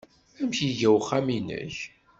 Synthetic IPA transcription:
æmçiʝæwχæminə̰ç

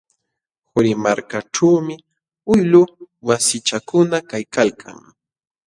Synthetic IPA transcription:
hʊɾɪmaɾkaʈ͡ʂawmɪ | ʊjlʊwasɪt͡ʃakʊnakajkalkʰa̰ŋ

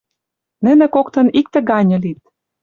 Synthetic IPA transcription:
nɘ̆nĕkokt̪ɤ̆nik̚t̪ɘ̆ɡɑnʲɤ̆lit̪̚

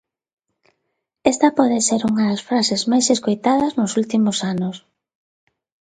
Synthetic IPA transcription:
ɛst̪ɐpɔðeseɾuŋaðɐsfɾasezmajseskojt̪að̞ɐznʊsult̪imʊsanʊs

